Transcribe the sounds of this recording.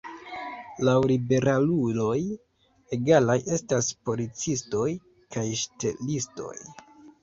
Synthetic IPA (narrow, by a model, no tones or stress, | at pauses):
lawlibe̞ɾalulo̞j | e̞ɡalajʔe̞staspo̞lit͡sisto̞j | kajʃte̞̰listo̞̰j